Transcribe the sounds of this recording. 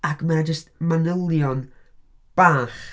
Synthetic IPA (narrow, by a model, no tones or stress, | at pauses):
akmaad͡ʒəst̚manəlˠjɔnb̥aːχ